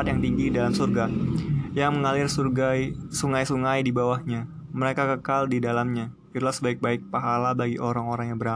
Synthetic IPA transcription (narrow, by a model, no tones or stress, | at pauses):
at̪jaŋt̪iŋɡidalamsurɡajaŋməŋalɪrsuasuŋajsuŋajdibawahɲa | məɾekakəkaldidalamɲa | it̪ulahsəbaɪk̚baɪk̚paɦalabaɡiʔoɾaŋoɾaŋjaŋbəɾa